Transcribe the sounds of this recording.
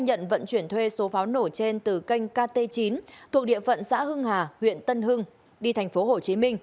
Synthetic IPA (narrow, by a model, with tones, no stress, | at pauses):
ɲə̰˧˨nvə̰˧˨nt͡ɕwi˧˩ənt̪ʰwe˧so˨˦faː˨˦wno˧˩t͡ɕe˧nt̪ɨ˨˩kə˧jŋ̟kaː˧t̪e˧t͡ɕi˨˦nt̪ʰu˨˩ək̚ɗḭ˧˨əfə̰˧˨nsa̰ː˧˥hɨ˧ŋhaː˨˩hwḭ˧˨ənt̪ə˧nɦɨ˧ŋ | ɗi˧t̪ʰa˨˩jŋ̟fo˨˦ho˨˩t͡ɕi˨˦mï˧ŋ̟